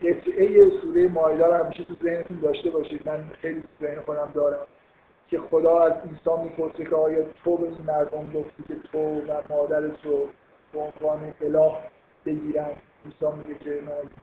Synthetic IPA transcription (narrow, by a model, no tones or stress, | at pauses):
jet̪ʰejesuːɾejemɒːjd̪ɒːɾhæmiːʃet̪ʰuze̞hnet̪ʰund̪ɒːʃt̪e̞bɒːʃiːd̪mænxejliːt̪ʰuze̞hnexo̞d̪æmd̪ɒːɾæm | cʰe̞xo̞d̪ɒːæziːnsɒːnmiːpʰo̞ɾsecʰeɒːjɒːt̪ʰobe̞iːnmæɾd̪omɡoft̪iːcʲʰe̞t̪ʰovæmɒːd̪æɾe̞t̪ʰɾo | b̥eonvɒːne̞ʔːlɒːh | b̥e̞ɟiːɾænd̪ | insɒːnmiɟecʰenæj